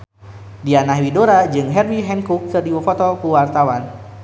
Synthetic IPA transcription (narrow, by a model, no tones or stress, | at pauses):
dianaɦwidoɾad͡ʒɨŋɦɛrwiɦɛnkukːɨrdiwəfɔt̪ɔkuwart̪awan